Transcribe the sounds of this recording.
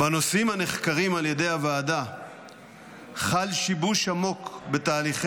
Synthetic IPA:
bano̞simhaneχkaʁimalje̞de̞javaːda | χalʃibuʃhamo̞kbe̞t̪aːliχ

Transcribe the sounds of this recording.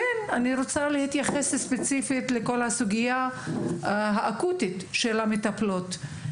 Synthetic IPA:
enaniɾot͡salehit̪jaχesspet͡sifitleko̞lhasuɡija | ɦaʔakutit̪ʃelamet̪aplot̪

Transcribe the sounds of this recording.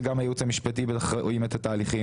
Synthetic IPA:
ɡamhajeut͡shamiʃpatibeaχaʔoimet̪ataːliχi

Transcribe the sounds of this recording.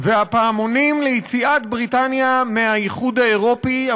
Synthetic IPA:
veapaːmo̞nimlejit͡siʔat̪bʁitanjameajiχud̪hae̞ʁo̞pia

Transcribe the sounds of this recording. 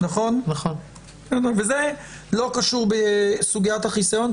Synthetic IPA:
naχo̞nnaχon | enoveze | lo̞kaʃuʁbesuɡiathaχisajo̞n

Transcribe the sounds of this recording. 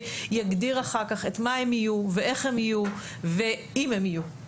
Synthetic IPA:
jaɡdiʁaχakaχe̞tmae̞mijuveʔe̞χhemiju | ve | imemiju

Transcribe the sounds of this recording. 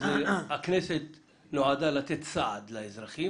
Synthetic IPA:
zeakneset̪ | noʕad̪alat̪et̪t͡saʕad̪laezɾaχi

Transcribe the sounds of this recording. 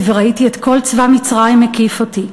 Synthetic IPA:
veʁaitietko̞lt͡svamit͡sʁaimːekifoti

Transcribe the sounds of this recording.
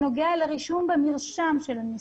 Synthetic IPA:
oɡealeʁiʃumbemiʁʃamʃelani

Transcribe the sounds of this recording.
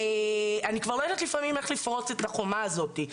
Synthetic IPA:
eanikvaʁlojod̪at̪lifamime̞χlifʁo̞t͡set̪aχo̞maːzo̞t̪i

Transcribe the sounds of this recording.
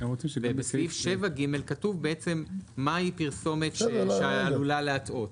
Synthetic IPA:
emʁot͡simʃvebesifʃevaɡime̞lkatuvbeʔet͡se̞mːaipiʁso̞me̞tʃeaalulaleato̞t

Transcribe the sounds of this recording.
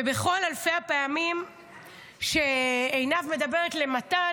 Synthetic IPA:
ebe̞χo̞lalfeapeamim | ʃeejnavme̞dabe̞ʁet̪le̞mata

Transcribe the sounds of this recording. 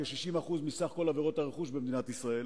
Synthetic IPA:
eʃiʃimaχuzmisaχko̞laveʁo̞t̪aʁeχuʃbemd̪inat̪isʁael

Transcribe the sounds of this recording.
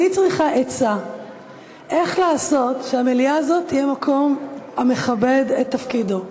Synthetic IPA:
it͡sʁiχaʔet͡sa | ʔe̞χlaːso̞tʃeamelijaːzo̞t̪ːijemakʰo̞mame̞χabe̞det̪ːafkido̞

